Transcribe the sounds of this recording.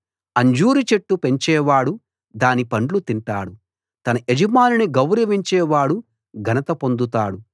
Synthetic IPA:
ɐɲd͡ʒuːɾit͡ʃe̞ʈːupe̞ɲt͡ʃɛːʋaːɽu | d̪aːnipɐɳɖlut̪iɳʈaːɽu | t̪ɐnɐʔed͡ʒɐmaːniniɡɐwɾɐʋiɲt͡ʃɛːʋaːɽu | ɡʱɐnɐt̪ɐpo̞nd̪ut̪aːɽu

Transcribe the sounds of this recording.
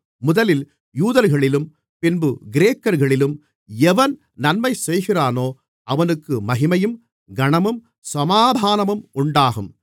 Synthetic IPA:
mʊðɐlɪl | juːðɐɾɣɐɭɪlɯm | pɪnbɯɡɪɾeːkːɐɾɣɐɭɪlɯm | ɛʋɐn | nɐnmɐɪsɛjɣɪraːnoː | ɐʋɐnɯkːɯmɐɣɪmɐjɯm | ɡɐɳɐmɯm | sɐmaːd̪ʱaːnɐmɯmʊɳɖaːɣɯm

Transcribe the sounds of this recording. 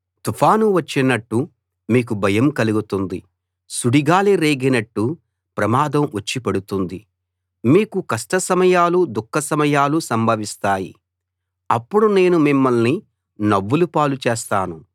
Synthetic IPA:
t̪upʰaːnuʋɐt͡ʃːinɐʈːu | miːk̬ubʱɐjɐmkɐluɡut̪und̪i | suɽiɡaːleɾeːɡinɐʈːu | pɾɐmaːd̪ɐmʋɐt͡ʃːipɐɽut̪und̪i | miːkukɐsʈɐsɐmɐjaːlud̪ukʰːɐsɐmɐjaːlusɐmbʱɐʋist̪aːjḭ | ɐpːuɽune̞ːnumimːɐlni | nɐʋːulupaːlut͡ʃeːst̪aːnu

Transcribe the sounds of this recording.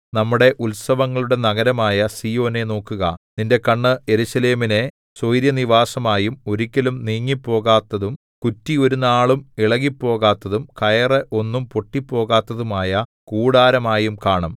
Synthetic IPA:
nɐmːuɽe̞ʔulsɐʋɐŋːɐɭuɽe̞nɐɣɐɾɐmaːjɐsiːjo̞ːne̞no̞ːkːuɣɐ̰ninde̞kɐɳːɨe̞ɾuɕɐle̞ːmine̞ | sojɾjɐniʋaːsɐmaːjumo̞ɾikʲːɐlumniːŋːipːo̞ːɣaːt̪ːɐðum | kutːio̞ɾunaːɭumiɭɐɣipːo̞ːɣaːt̪ːɐðumkɐjɐreʔo̞nːumpo̞ʈːipːo̞ːɣaːt̪ːɐðumaːjɐ | kuːɽaːɾɐmaːjumkaːɳɐm

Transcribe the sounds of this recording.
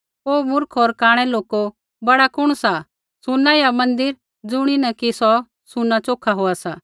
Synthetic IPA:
oːmʊɾkʰɦoɾkaːɽ̃ɛloːko | bɐɽakʊɽ̃sa | sʊnːajamɐ̃nd̪ɪɾ | d͡zʊɽ̃inɛkisɔ | sʊnat͡ʃoːkʰaɦoasaː

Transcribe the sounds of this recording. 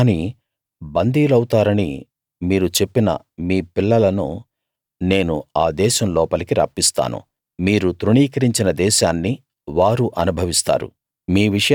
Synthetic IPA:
ni | bɐnd̪ʱiːlɐwut̪aːɾɐnḭ | miːɾut͡ʃe̞pːinɐ̰ | miːpilːɐlɐnṵ | ne̞ːnuaːd̪ɛːʃɐmlɔːpɐlikiɾɐ̰ːpːist̪a̰ːnṵ | miːɾut̪ɾuɳiːkɐɾiɲt͡ʃinɐd̪ɛːʃaːnːi | ʋaːɾuʔɐnubʱɐʋist̪a̰ːɾṵ | miːʋiʂɐj

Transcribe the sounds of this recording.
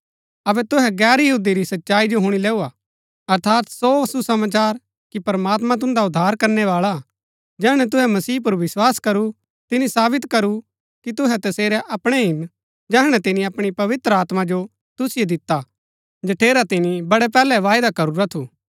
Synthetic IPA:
ɐbɛt̪ʊɦɛɡɛːɾjɐɦuːd̪iɾisɐtːʃaːid͡ʒoɦʊɽ̃ilɛːua | ɐɾt̪ʰaːt̪sosusɐmaːt͡ʃaːɾ | kipɾɐmaːt̪mãt̪̬ʊ̃nd̪aʊd̪ʱːaːɾkɐɾnɛʋaːɭa | d͡ʒɛːɽ̃ɛt̪̬ʊɦɛmɐsiːp̬ʊɾʋɪswaːskɐɾu | t̪ɪnisaːbɪt̪kɐɾu | kit̪ʊɦɛt̪ɐseːɾɛʔɐpɽ̃ɛɦɪn | d͡ʒɛːɦɽ̃ɛt̪ɪnĩɐpɽ̃ipɐʋɪt̪ɾəaːt̪mãd͡ʒo | t̪ʊsɪjed̪ɪt̪ːa | d͡ʒɐʈʰeːɾat̪ɪnibɐɽɛp̬ɛːlɛʋaːɪd̪akɐɾuɾat̪ʰuː

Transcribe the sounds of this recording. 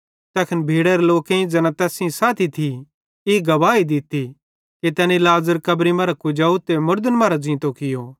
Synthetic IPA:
t̪ɛːkʰɪnbʱiːɽɐɾloːkẽĩd͡zɐnãt̪ɛːsĩsaːt̪ʰit̪ʰi | ɪɡɐʋaːid̪ɪt̪i | ket̪ɛːnilaːzəɾkɐbɾimaːɾakʊd͡ʒaːut̪emʊɾd̪ənmaːɾad͡zĩːt̪okɪjoː

